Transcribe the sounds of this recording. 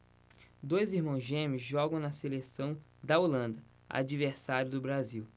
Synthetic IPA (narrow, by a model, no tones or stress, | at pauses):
d̪ojziɾmɐ̃w̃zʒẽmʊzʒɔɡɐ̃w̃nɐselesɐ̃w̃d̪ɐolɐ̃nd̪ɐ | a̰d͡ʒiveɾsaɾjʊd̪ʊbɾaziw